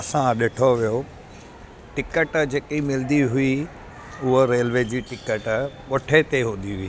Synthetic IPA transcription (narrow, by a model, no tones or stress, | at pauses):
ɐsãɗɪʈʰoʋijo | ʈɪkəʈd͡ʑeːkimɪlnd̪iɦʊi | ʊɦoɾeːlʋed͡ʑiːʈɪkəʈɓʊʈʰet̪eɦũnd̪iɦʊiː